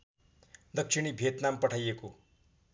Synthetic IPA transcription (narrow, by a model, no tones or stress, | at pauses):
d̪ʌkʂiɽ̃ibʱet̪nampəʈʰajeko